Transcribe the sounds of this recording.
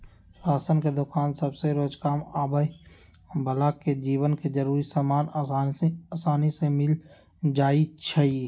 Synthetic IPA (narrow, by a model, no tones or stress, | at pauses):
pɾaːsənked̪ʊkaːnsɐbseɾoːd͡ʒkaːmaːbəi | bʱəlaːkːed͡ʒiːʋənked͡ʒəɾuːɾisaːmaːn | aːsaːnisemɪl | d͡ʒaːit͡ʃʰəi